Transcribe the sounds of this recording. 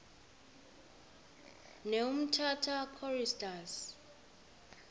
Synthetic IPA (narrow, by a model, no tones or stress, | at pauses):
neum̩tʰatʰakʰɔristʼas